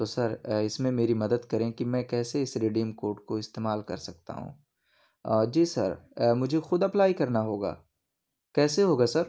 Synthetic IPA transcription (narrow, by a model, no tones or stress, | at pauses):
t̪oːsɐɾɪsmẽmeːɾimɐd̪əd̪kɐɾẽkimɛ̃kɛːseɪsɾeɖiːmkoːɾʈkoɪst̪eːmaːlkɐ̰ɾsɐk̚t̪a̰ɦṵ̃ː | d͡ʒiːsɐ̰ɾmʊd͡ʒʱexʊd̪ɐplaːikɐɾnaɦoːɡa̰ː | kɛːseɦoːɡasɐɾ